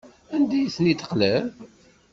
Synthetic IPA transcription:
ænd̪æjθnit̪ːə̥qlæɾ

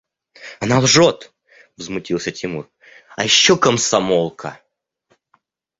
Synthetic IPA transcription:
ɐnalˠʐot̪ | vzmʊtʲilˠsʲətʲɪmur | ɐjɪɕːokəmsɐmolˠkʰə

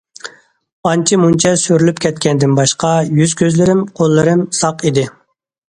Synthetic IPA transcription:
ɑnt͡ʃʰimunt͡ʃʰɛsyɾylypkʲʰɛt̪̚kʲʰɛnd̪ɪnbɑʃqɑjyz̥kʲʰøzlɪɾɪmqʰolˠːɨɾɪmsɑqid̪ɪ

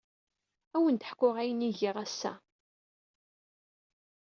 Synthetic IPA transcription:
æwənt̪ə̥ħkːʊʁæjəniʝɪʁæsːæ̰

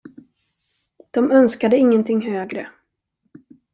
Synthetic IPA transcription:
d̪̥ɔmœnskad̪əɪŋːənt̪ʰɪŋːɦøːɡɾə

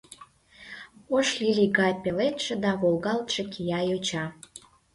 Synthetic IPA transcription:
oʃlilʲiɣɑjpelet̪ʃĕd̪ɑβolɣɑlt̪ʃekʰijɑjot͡ɕɑ

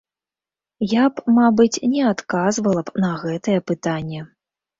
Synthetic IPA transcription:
japmabɨt͡sʲnʲɛat̪kazvɐlˠɐbnɐɣɛt̪ɐjɛpɨt̪anʲːɛ

